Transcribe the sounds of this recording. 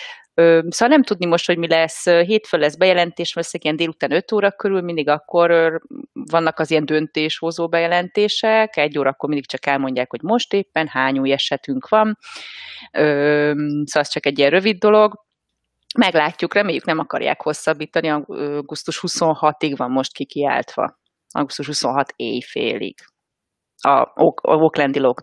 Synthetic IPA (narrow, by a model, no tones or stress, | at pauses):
øːsoːɦɒlnɛmt̪ud̪nimo̞ʃt̪hoɟmilɛsːøɦeːt̪følːɛzbɛjɛlɛnt̪eːʃɛløsːɛɡijɛnd̪eːlut̪aːnø̞t̪oːɾɒkøɾylmind̪iɡɒkːo̞røvɒnːɒkɒzijɛnd̪ønt̪eːʃhozoːbɛjɛlɛnt̪eːʃɛkɛɟːoːɾɒːkːo̞rmind̪ikt͡ʃɒkɛlmo̞ɲɟaːkho̞ɟmo̞ʃt̪eːpːɛnhaːɲuːjɛʃɛt̪yŋkʋɒn | øːsoɛst͡ʃɒkɛɟːijɛnrøvid̪ːo̞lo̞ɡ | mɛɡlaːcːukrɛmeːjːyknɛmɒkɒ̰rja̰ːkho̞sːɒbːiːt̪ɒniɒøɡust̪uʃhuso̞nhɒt̪iɡʋɒmːo̞ʃt̪kikia̰ːlt̪ʋɒ̰ | ɒ̰ɡust̪uʃhuso̞nɦɒt̪ḛːjfḛːlḭɡ̥ | ɒ̰ooklɛnd̪iloɡ